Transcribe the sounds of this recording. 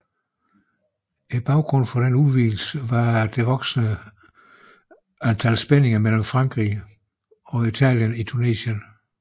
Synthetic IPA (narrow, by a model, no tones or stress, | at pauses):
eb̥ɑ̈ʊɡ̥ʁɔ̽n̰fɒɾ̥enuʋiːl̩səʋɑ̈d̥e̝ʋɒ̽ɡ̥snə | ænt͡sʰælsb̥ene̝ŋɐmel̰m̩fʁɑ̈ŋɡ̥ʁḭ | ɒ̽it͡sʰɛ̰ːljənit͡sʰune̝̰ːɕən